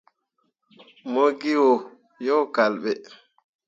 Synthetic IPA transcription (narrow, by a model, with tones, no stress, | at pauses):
mo˦ɡi˦wɔ˨ | jɔ˦ka˨lɓɛ˨